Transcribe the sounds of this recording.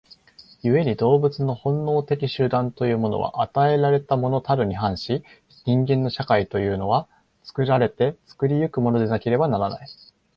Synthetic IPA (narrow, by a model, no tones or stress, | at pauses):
jɯ̟e̞ɲ̟id̪o̞ːbɯ̟t͡sɨno̞hõ̞nːo̞ːt̪e̞kʲiɕɨd̪ãnt̪o̞jɯ̟ːmo̞no̞̰β̞a̰ʔat̪ae̞ɾaɾe̞t̪amo̞no̞t̪aɾɯ̟ɲ̟iɦãɰ̃ɕi | ɲ̟ĩŋɡẽ̞nːo̞ɕakait̪o̞jɯ̟ːno̞β̞a | t͡sɨ̥kɯ̟ɾaɾe̞t̪e̞t͡sɨ̥kɯ̟ɾʲijɯ̟kɯ̟mo̞no̞d̪e̞nake̞ɾe̞banaɾana̰i